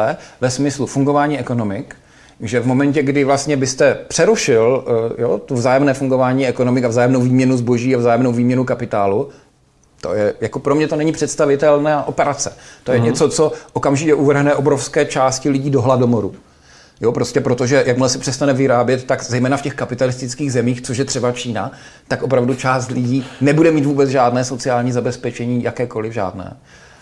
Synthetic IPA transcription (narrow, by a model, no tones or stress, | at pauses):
ɛvɛsmɪslufuŋɡo̞vaːɲiːɛko̞no̞mɪk | ʒɛvmo̞mɛɲcɛɡdɪvlast̪ɲɛbɪst̪ɛpr̝̥ɛɾuʃɪljo̰t̪ovzaːjɛmnɛːfuŋɡo̞vaːɲiːɛko̞nomɪkavzaːjɛmnowviːmɲɛnuzbo̞ʒiːavzaːjɛmnowviːmɲɛnukapɪt̪aːlu | t̪o̞̰jɛjako̞pɾo̞mɲɛt̪o̞nɛɲɪpr̝̥ɛt̪st̪avɪt̪ɛlnaːʔo̞pɛɾat͡sɛt̪ojɛɲɛt͡sot͡so̞ʔokamʒɪcɛʔuvr̩ɦnɛʔo̞bɾo̞fskɛːt͡ʃaːscɪlɪɟiːdo̞ɦlado̞moɾṵ | jopɾo̞scɛpɾo̞t̪o̞ʒɛjakmlɛsɪpr̥ɛst̪anɛvɪɾaːbjɛt̪ːakzɛjmɛːnafcɛxkapɪt̪alɪst̪ɪt͡skiːɣzɛmiːxt͡soʃjɛt̪r̥ɛbat͡ʃiːnat̪akʔo̞p̬ɾavdut͡ʃaːst̪lɪɟiːnɛbudɛmiːt̪vuːbɛt͡sʒaːdnɛːso̞t͡sɪaːlɲiːzabɛspɛt͡ʃɛɲiːjakɛːko̞lɪvʒa̰ːdnɛ̰ː